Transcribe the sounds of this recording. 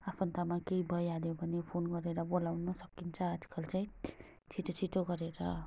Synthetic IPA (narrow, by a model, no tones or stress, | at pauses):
apʰʌnt̪amakeibʱʌjaljobʱʌnepʰonɡʌɾeɾʌbolawnʌsʌkint͡sʰʌad͡zkʌlt͡saj̃ | t͡ʃʰit̪ot͡sʰit̪oɡʌɾeɾʌ